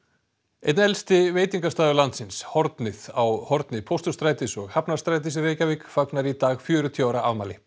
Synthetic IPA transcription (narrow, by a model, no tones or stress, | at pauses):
ejt̪nɛlst̪ɪveːjt̪iŋkast̪aːðʏlant̪sɪnshɔɾt̪nɪð̥awhɔɾt̪nɪpʰowst̪ʏst̪ɾaːjt̪ɪsɔɣhapnḁst̪ɾajt̪̬ɪs̬reːjcavɪːkfaknaɾit̪aːɣfjœːɾʏt̪ʰiaːwɾaʔavmaːlɪ